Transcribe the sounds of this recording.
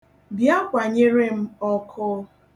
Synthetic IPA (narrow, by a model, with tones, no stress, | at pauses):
bja˦kʷa˨ɲe˦ɾe˦m̩˦ɔ˦kʰʊ˦